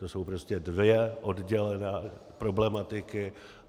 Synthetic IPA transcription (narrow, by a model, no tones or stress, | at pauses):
t̪oso̞wpɾoscɛdvɪɛʔo̞dɟɛlɛnɛːpɾo̞blɛmat̪ɪkɪ